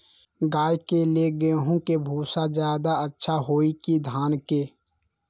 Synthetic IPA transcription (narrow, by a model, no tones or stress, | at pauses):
ɡaːjkeleɡəɦũkebʱuːsad͡ʒjaːd̪aətːʃʰaɦoːikid̪ʱaːnke